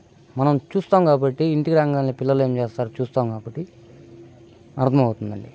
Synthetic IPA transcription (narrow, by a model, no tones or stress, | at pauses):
mɐnɐmt͡ʃuːst̪aːmkaːbɐʈːiiɳʈikiɾaːŋɡaːnlipilːɐlue̞ːmt͡ʃeːst̪aːɾut͡ʃuːst̪aːmkaːbɐʈːi | ɐɾt̪ʰɐmɐwut̪und̪ɐ̰ɳɖi